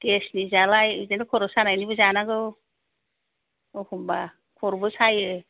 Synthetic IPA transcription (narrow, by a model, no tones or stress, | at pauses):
kesnizalajɯzenɯkʰɔɾɔsanajnibɯzanaɡɯw | ɔhumba | kʰɔɾbɯsajɯ